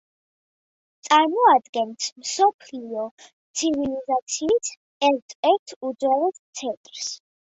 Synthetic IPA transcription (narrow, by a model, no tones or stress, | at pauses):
t̪sʼaɾmɔad̪ɡɛnsmsɔpʰliɔt̪sʰivilizat̪sʰiːt̪ʰ | ɛɾt̪ʰɛɾt̪ʰud̪zwɛlɛst̪sʰɛt̪ʼɾs